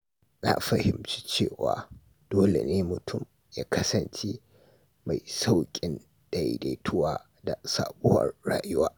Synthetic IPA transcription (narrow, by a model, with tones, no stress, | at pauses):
na˨ɸɐ˨hɪ˨mt͡ʃi̥˦t͡ʃeː˦˨wa̰ː˨ | d̥oː˦lḛ˨neː˦mʊ˨tʰʊ˦˨m | jaː˦kʰɐ˦sɐ˨nt͡ʃi˦ | ma˨jsa˦wkʲʼɪ˦n | d̥a̰˨de˨tʰʊ˦waː˦ | da˨saː˨ɓʊ˦wɐ̰˨rːaː˨jʊ˦waː˦